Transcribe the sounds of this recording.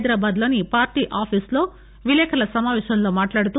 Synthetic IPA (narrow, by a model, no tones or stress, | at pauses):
jd̪ɾaːbaːd̪lonipaːɾʈiʔaːpʰisloː | ʋileːkʰɐlɐsɐmaːʋeːʃɐɐnːomaːʈlaːɽt̪ːu